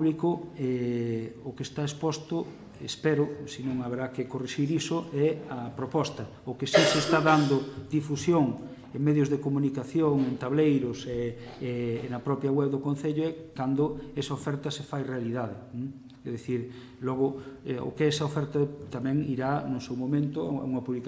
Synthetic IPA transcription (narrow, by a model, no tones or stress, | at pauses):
βlikʊɛ | ʊkest̪aespɔst̪ʊ | ḛspɛɾʊsinõŋaβeɾakɪkoriʃiɾisʊɛɐpɾopɔst̪ɐ | ʊkesisest̪aðand̪ʊd̪ifusjoŋ | eŋmɛðjʊzðekomunikaθjoŋent̪aβlejɾʊsɛ | nɐpɾɔpɾjaɣwɛβðokõnθeʎʊɛkand̪ʊɛsɐofɛɾt̪ɐsefajrealiðaðen | ɛðeθiɾ | lɔɣ̞ʊɛo̰keɛsɐofɛɾt̪at̪amɛ̃ŋiɾanʊsewmomẽnt̪ʊa̰a̰uŋɐpuβlik